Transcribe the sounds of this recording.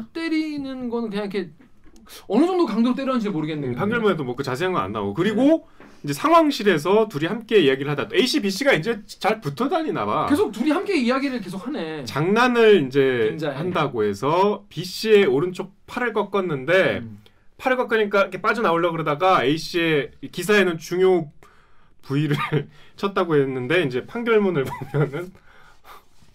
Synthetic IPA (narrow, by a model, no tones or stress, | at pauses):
t͈e̞ɾinɯnɡʌnɯnkɯɲaŋikʰe̞ | ʌnɯd͡ʑʌŋdokaŋdoɾt͈eɾoanɕ̬ʰiɾmoɾɯɡenːepʰaŋɡɯɭmunedomwʌkɯt͡ɕad͡ʑiaŋɯna̰nːa̰ɡokɯɾiɡo | ind͡ʑe̞sʰaŋɦwaŋɕʰiɾe̞s̬ʰʌtuɾihamk͈e̞iaɡiɾɯɭhadat͈oe̞iɕ͈ʰibiɕ͈iɡaind͡ʑe̞t͡ɕaɭputʰʌdaɲina̰bake̞sʰok̚tuɾiɦamk͈e̞ijaɡiɾɯɭk̬e̞s̬ʰok̚hane̞t͡ɕaŋnanɯɭind͡ʑe̞handaɡoɦe̞sʰʌpiɕ͈ie̞oɾɯnt͡ɕʰok̚pʰaɾɯɭk͈ʌk͈ʌnːɯnde̞ | pʰaɾɯɭk͈ʌk͈ʌɲik͈aikʰep͈ad͡ʑʌnaoɭːʌɡɯɾʌdaɡae̞iɕ͈ie̞kis̬ʰae̞nɯnt͡ɕuŋjo | puiɾɯɭt͡ɕʰʌt̚t͈aɡoɦe̞nːɯnde̞ind͡ʑe̞pʰaŋɡjʌɭmunɯɭbomjʌnɯn